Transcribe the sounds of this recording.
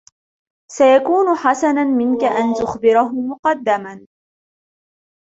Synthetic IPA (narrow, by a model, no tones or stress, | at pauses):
sajakuːnʊħasananmɪnkaʔant̪ʊxbɪɾɦʊmʊqɑd̪ːaman